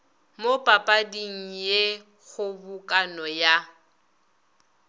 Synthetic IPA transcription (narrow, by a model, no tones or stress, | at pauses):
mopʼapʼadiŋ̩je | ɣʊbʊkʼanɔja